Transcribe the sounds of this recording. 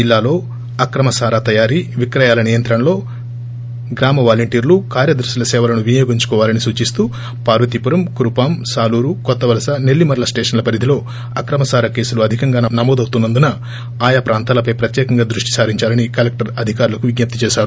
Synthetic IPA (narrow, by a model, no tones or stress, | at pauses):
d͡ʒilːaːlo̞ː | ɐkɾɐmɐsaːɾaːt̪ɐjaːɾiʋikɾɐjaːlɐnijɐnt̪ɾɐnɐlo̞ː | ɡɾaːmɐʋaːlɐɳʈiːɾlukaːɾjɐd̪ɐɾʃɐlɐsɛːʋɐlɐnuʋinjoːɡiɲt͡ʃu̥kɔːʋaːlɐnisuːt͡ʃist̪uː | paːɾʋɐt̪ipuɾɐmkɾupaːmsaːluːɾukɔt̪ːɐʋɐlɐsɐne̞lːimɐɾɐlɐsʈeːʂɐnlɐpɐɾid̪ʱilo̞ː | ɐkɾɐmɐsaːɾaːke̞ːsuluɐd̪ʱikɐŋɡaːnɐmɔːd̪ɐwt̪unːɐnd̪unɐ | aːjaːpɾaːnt̪aːlɐpɐjpɾɐt̪jɛːkɐŋɡaːd̪ɾuʂʈi̥saːɾiɲt͡ʃaːlɐnikɐlek̚ʈɐɾɐd̪ʱikaːɾulɐkuʋiɡɲɐp̚t̪it͡ʃɛːʃaːɾu